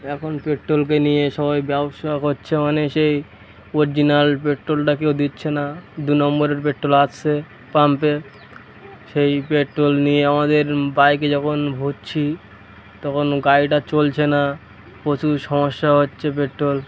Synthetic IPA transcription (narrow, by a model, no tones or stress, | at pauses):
ɛkʰonpeʈːɾolk̬enijeʃɔbajbɛboʃakɦotːɕʰemaneʃej | oɾid͡ʑinalpeʈɾolʈakewd̪itːɕʰenad̪unɔmboɾeɾp̬eʈɾolat͡ɕʰe | pampe | ʃejpeʈɾolnijeamad̪eɾbajk̬ed͡ʑɔkʰonbʱott͡ɕʰi | t̪ɔkʰonɡajʈat͡ɕolt͡ɕʰena | kot͡ɕʰuʃɔmoʃːaɦotːɕʰep̬eʈɾol